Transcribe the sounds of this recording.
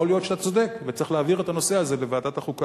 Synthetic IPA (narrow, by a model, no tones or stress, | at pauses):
olijo̞tʃat̪at͡so̞d̪e̞kvet͡sʁiχleːviʁe̞t̪ano̞se̞aze̞le̞vead̪at̪aχuka